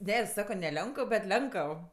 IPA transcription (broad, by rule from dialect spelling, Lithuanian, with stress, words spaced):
ˈnʲɛ ɪ ˈsɑːkoː nʲɛ ˈlʲoːŋkəw bʲɛt ˈlʲɛŋkəw